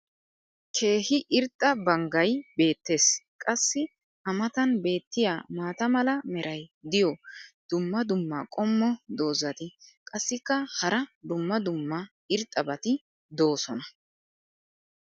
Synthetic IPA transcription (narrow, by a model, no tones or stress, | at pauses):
kʰe̞ːhɪʔɪɾt̪ʼːɐbɐŋɡɐjbe̞ːt̪ːe̞ːskʼɐsːɪ | ɐmɐt̪ɐnbe̞ːt̪ːɪjaːmaːt̪ɐmɐlɐmɛɾʔɐjd̪ɪjɔd̪̥ʊmːɐd̪ʊmːaːkʼɔmːɔd̪o̞ːzɐt̪ɪkʼɐsːɪkːɐhɐɾɐd̪ʊmːɐd̪ʊmːɐ | ɪɾt̪ʼːɐbɐt̪ɪ | d̪o̞ːsɔnɐ